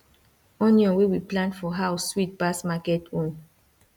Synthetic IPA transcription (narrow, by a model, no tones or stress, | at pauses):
ɔ̃niɔ̃wewiplãnfɔɦaʊswit̚basmakɛtõn